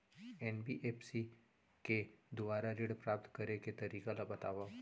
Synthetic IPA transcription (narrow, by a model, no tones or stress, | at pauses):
ɛnbiʔeːpsi | ked̪ʊbaːɾaɾiɽpɾaːp̚t̪kɐɾeket̪ɐɾiːkalabɐt̪aːʋa